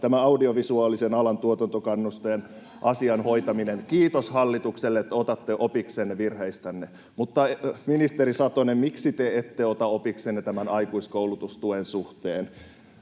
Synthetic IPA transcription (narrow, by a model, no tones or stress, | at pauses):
t̪æmæɑudioʋisuɑːlisenɑlɑnt̪uot̪ɑnt̪okɑnːust̪ojen | ʔɑsiɑnhoit̪ɑminenkiːt̪oshɑlːit̪ukselːeet̪ːæot̪ɑt̪ːeʔopiksenːeʋirheist̪ænːe | mut̪ːɑminist̪eɾisɑt̪onemiksit̪eet̪ːeot̪ɑopiksenːet̪æmænɑikuiskoulut̪ust̪uensuht̪eːn